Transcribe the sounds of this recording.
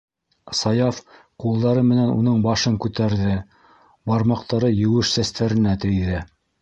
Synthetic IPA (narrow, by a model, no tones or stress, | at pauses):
sɑjɑf | qulˠd̪ɑɾɤmɘ̆nænṵnɤɴbɑʃɤŋkʉt̪æɾðɘ | bɑɾmɑqt̪ɑɾɤjɘ̆wɘʃsæst̪æɾɘ̆næt̪ɘ̆jðɘ